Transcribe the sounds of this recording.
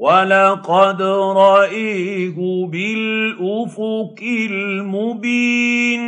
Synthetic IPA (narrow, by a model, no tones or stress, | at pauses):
walɑqɑd̪ɾˤɑʔajhʊbɪlʔʊfʊkɪlmʊbiːn